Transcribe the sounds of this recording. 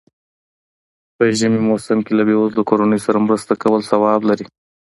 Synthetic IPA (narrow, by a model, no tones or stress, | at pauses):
pəʒəmimosɪmkelabeozlakoɾanəjosaɾamɾəst̪akawəlsawɑblaɾi